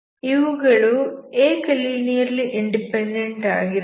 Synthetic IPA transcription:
iʋuɣɐɭueːkɐliːnijɐɾiliʔiɳɖipeɳɖeɳɖa̰ːɡiɾ

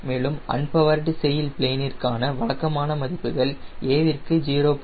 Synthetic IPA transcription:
meːɭɯmɐ̰ɳpɐʋɐɾɖɯsɛjɪlpɪɭeːnɪrkaːnɐʋɐɭɐkːɐmaːnɐmɐðɪpːɯɣɐɭeːʋɪrkɯd͡ʒiːɾoːp

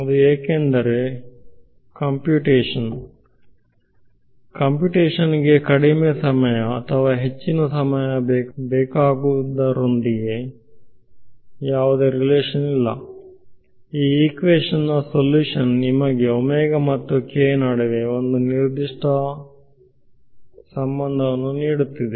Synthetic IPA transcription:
ɐd̪ueːkend̪ɐɾe | kɐmpjuːʈeːʂɐn | kɐmpjuːʈeːʂɐniɡe̞kɐɽimesɐmɐjɐːt̪ʰɐʋaːɦe̞t͡ʃːinɐsɐmɐjɐbɛːkaːɡuʋud̪ɐɾond̪iɡe | jaːʋud̪eːɾileːʂɐnilːɐ̰ | iːiːkʋeːʂɐnːɐsoljuːʂɐnːimɐɡe̞omɛːɡɐmɐt̪ːukeːnaːɽiʋeond̪uniɾd̪iʂʈʰɐ | sɐmbɐnd̪ʱɐʋɐnːuniːɽut̪ːid̪e

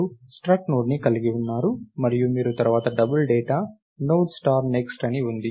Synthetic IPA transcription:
usʈɾɐknoːɖnikɐliɡiunːaːɾumɐɾijumiːɾut̪ɐɾuʋaːt̪ɐɖɐbulɖeːʈaː | nowʈsʈaːɾneksʈɐniund̪i

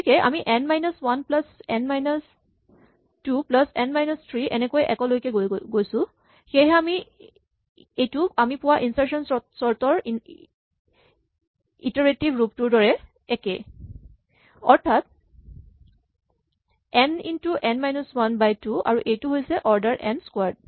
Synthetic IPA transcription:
tʰikɛʔa̰miʔɛnmajnɔswanplasɛnmajnɔs | tuplasɛnmajnɔstʰɹiʔɛ̰nɛkojʔɛ̰kɔlojkɛɡojsʊ̃ | xejɦɛami | ejtuamipʊwaʔinsaɹsɔnsɔɹtɔɹ | itɔɹetibʱɹup̚tuɹdɔɹɛ | ɛkḛ | ɔɹtʰat̚ | ɛnḭntuʔɛnmajnɔswanbajtua̰ɹuʔejtuɦojsɛʔɔɹdaɹʔɛ̰ndskwaɹd̚

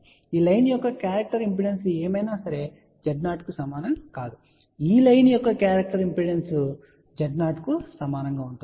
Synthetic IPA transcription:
iːlɐjnjɔkːɐkjaːɾɐk̚ʈɐɾimpiɖenseːmɐjnaːsɐɾe̞ | d͡ʒɐɖnaːʈkusɐmaːnɐmkaːd̪u | iːlɐjnjɔkːɐkjaːɾɐk̚ʈɐɾimpiɖensu | d͡ʒɐɖnaːʈkusɐmaːnɐŋɡaːuɳʈu

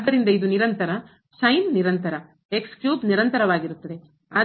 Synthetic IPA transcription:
d̪ɐɾind̪ɐid̪uniɾɐnt̪ɐɾɐ | sɐjnːiɾɐnt̪ɐɾɐ | ekskjuːd̪niɾɐnt̪ɐɾɐʋaːɡiɾut̪ːɐd̪e̞ | a

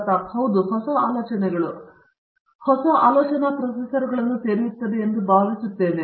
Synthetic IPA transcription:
t̪ɐpʰɐwd̪uhɔsɐːaːlɔːt͡ʃɐneɡuɭu | hɔsɐːʔaːlɔːt͡ʃɐnapɾɐsisɐɾɡuɭɐnut̪eɾiʋit̪ːɐd̪iend̪ubaːɡɐt͡ʃut̪ːeːnd̪i

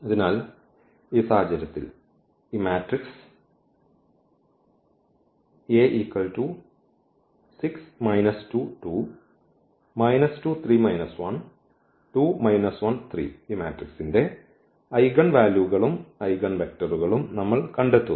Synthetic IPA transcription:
ɐðinaːl | iːsaːɦɐd͡ʑɐɾɐt̪ːḭl | imaːʈriks | eːʔiːkːɐɭʈuː | siksmɐjnɐstuːʈuː | mɐjnɐstuːt̪ʰriːmɐjnɐsʋɐn | ʈuːmɐjnɐsʋɐnt̪ʰrḭːiːmaːʈriksinde̞ | ɐjɣɐɳʋaːljuɣɐɭumɐjɣɐɳʋek̚ʈɐruɣɐɭumnɐmːɐɭkɐɳɖet̪ːu

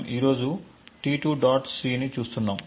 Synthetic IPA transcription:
miːɾo̞ːd͡ʒuʈiːʈuːɖaːʈsɾiːnit͡ʃuːst̪unːaːm

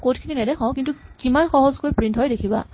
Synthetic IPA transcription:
kotʰkʰininɛdɛxɔ̃kintukimanxɔɦɔzkojpɹintɦɔjdekʰiba̰

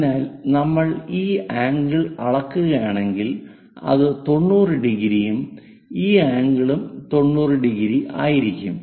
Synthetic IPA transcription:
naːlnɐmːɐɭiːaːŋɡiɭɐɭɐkːuɣɐjaːɳe̞ŋɡil | ɐ̰ðɨt̪o̞ɳːuːrɨɖiɣiɾijum | iːaːŋɡiɭumt̪o̞ɳːuːrɨɖiɣiɾiʔa̰ːjiɾikʲːum

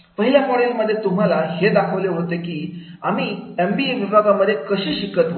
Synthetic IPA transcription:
pəɦiljafɔɽeməd̪ʱːjet̪um̤alahed̪akʰəʋleɦot̪ekiː | a̰m̤iːembieʋibʱaɡaməd̪ʱːjekəɕiːɕikət̪ʋ

